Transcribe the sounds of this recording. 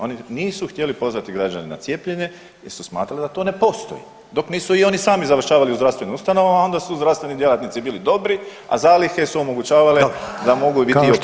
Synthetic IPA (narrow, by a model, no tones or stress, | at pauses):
o̞niniːsuxt̪je̞lipo̞zʋat̪iɡɾad͡ʒanena̰t̪sje̞ːpʎeɲe̞ | jeɾsusma̰ːt̪ɾalid̪at̪o̞ːne̞po̞ːst̪o̰jḭ | d̪o̞kniːsuio̞nisaːmizaʋər̩ʃaːʋaliuzd̪ɾast̪ʋe̞niust̪ano̞ʋamao̞nd̪asuzd̪ɾaʋst̪ʋe̞nid̪je̞lˠat̪nit̪sibiːlid̪o̞bɾi | a̰zaːlixe̞suo̞mo̞ɡut͡ɕaːʋalid̪amo̞ɡubit̪i